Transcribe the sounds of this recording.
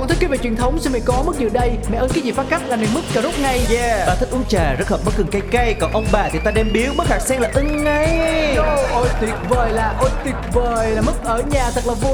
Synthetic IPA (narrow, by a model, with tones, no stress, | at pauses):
t̪ʰi˦˥kːveː˧˩t͡ɕwi˨˩ənt̪ʰə˨˦wŋ͡msɨ˧ŋmɛ̰˧˨kɔ˨˦mɨ˦˥zɨ˧˨˩ɗə˧jmɛ̰˧˨ʔəː˧nkaː˨˦zi˨˩faː˨˦t̚ka˦˥p̚laː˨˩me˨˩nmɨ˦˥k̚t͡ɕaː˧˩zʊ˦˥k͡p̚ŋa˧˩jɲɛ˧ɓaː˨˩t̪ʰi˦˥k̟̚ʔu˨˦t͡ɕaː˨˩zə˦˥t̚həː˨˩ɓə˦˥t̚kɨ˨˩ŋka˧jka˧jkɔ˨˩nʔə˧wŋ͡mɓaː˨˩t̪ʰi˨˩t̪aː˧ɗɛ˧mɓi˨˦əwɓə˦˥t̚haː˨˩k̚sɛ˧ŋlaː˨˩ʔɨ˧ŋə˧˦jo˧ʔo˧˩jt̪i˨˩ək̚vəː˨˩jlaː˨˩ʔo˧jt̪i˨˩ək̚vəː˨˩jlaː˨˩mɨ˦˥k̚ʔəː˧˩ɲaː˨˩t̪ʰə˨˩k̚laː˨˩vo˧˩